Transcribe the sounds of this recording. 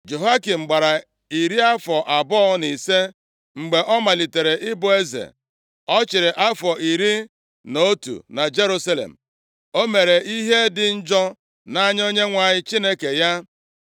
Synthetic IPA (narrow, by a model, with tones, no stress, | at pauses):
d͡ʒo˨ɦa˦ki˨m̩˨ɡ͡ba˨ɾa˨ | i˨ɾi˦a˦fɔ˨ʔa˨bɔ˦ni˨se˦ | ŋ͡m̩˨ɡ͡be˨ʔɔ˦ma˨li˨te˨ɾe˨ʔɪ˦bʊ˨e˦zḛ˨ | ɔ˦t͡ʃɪ˨ɾɪ˨ʔa˦fɔ˨ʔi˨ɾi˦ | no˦tṵ˨na˨d͡ʒe˦ɾu˦sa˦lḛ˨m̩˨ | o˦me˨ɾe˨i˦ɦe˦dɪ˨n̩˦d͡ʒɔ˦ | na˦ɲ˦o˦ɲe˦ŋʷa˨ɲɪ˦t͡ʃi˦ne˦ke˨ja˦